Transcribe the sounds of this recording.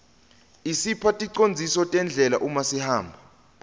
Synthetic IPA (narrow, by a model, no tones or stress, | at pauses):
isipʰatʼiǀond͡zʱisɔtʼɛnd͡ɮʱɛlaʔumasihaːmbʱa